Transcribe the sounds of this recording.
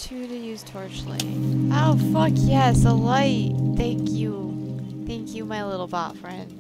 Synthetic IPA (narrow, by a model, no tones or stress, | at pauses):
tʰʉɾɨjʉz̥tʰɔɹt͡ʃlḛ̃ʔoʊfʌkʰjɛsəlaɪt̚θæ̃ŋkʰjuθæ̃ŋkʰjɨmaɪlɪɾl̩ˠbɑ̰tfɹɛ̃nd̥